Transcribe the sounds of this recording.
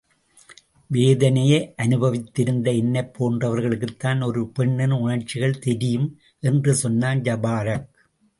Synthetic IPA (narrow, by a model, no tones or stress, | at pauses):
ʋeːðɐnɐjeʔɐnɯbɐʋɪt̪ːɪɾɯnd̪ɐɪnːɐɪpʰːoːndrɐʋɐɾɣɐɭɯkːɯt̪ːaːnɔɾɯpɛɳːɛnʊɳɐrt͡ʃːɪɣɐɭt̪ɛɾɪjɯm | ʔɛndrɯsɔnːaːnd͡ʒɐbaːɾɐk̚